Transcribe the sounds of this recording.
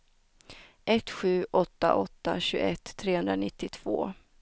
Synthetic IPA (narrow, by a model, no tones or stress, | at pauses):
ʔɛt̪ːɧʉ̟ːʔɔt̪ːa̰ʔɔt̪ːa̰ɕɵːɡɛt̪ʰːɾeːhɵnd̪ɾanɪt̪ːɪt̪ʰv̥o̰ː